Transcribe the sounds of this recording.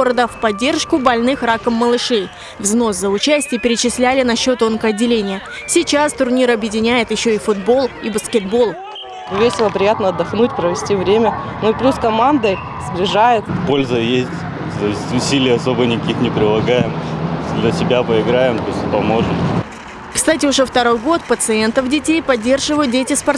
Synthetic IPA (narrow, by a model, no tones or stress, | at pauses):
oɾəd̪əfpɐdʲːe̞rʂkʊbɐlʲnɨxrakəmːəlˠɨʂej | vzno̞szəʊt͡ɕæsʲtʲɪjəpʲɪɾʲɪt͡ɕɪsʲlʲælʲɪnɐɕːo̞t̪o̞nkəɐdʲːɪlʲenʲɪjə | sʲɪt͡ɕast̪ʊrnʲiɾɐbjɪdʲɪnʲæjɪt̪jɪɕːo̞ifʊd̪bo̞lˠibəskʲɪd̪bo̞lˠ | vʲesʲɪlˠəpɾʲɪjat̪nəɐd̪ːɐxnutʲpɾəvʲɪsʲtʲivɾʲemʲənoiplʲuskɐmand̪əj | sblʲɪʐajɪt̪po̞lʲzəjesʲtʲ | t̪osʲtʲʊsʲilʲɪjəɐso̞bənʲɪkɐkʲixnʲɪpɾʲɪlˠɐɡajɪmd̪ʲlʲəsʲɪbʲapəɪɡɾajɪmt̪osʲtʲpɐmo̞ʐɨm | kst̪atʲɪʊʐɛft̪ɐɾo̞jɡo̞t̪pət̪sɨe̞nt̪əfdʲɪtʲejpɐdʲːe̞rʐɨvəjʊt̪̚dʲetʲɪspɐr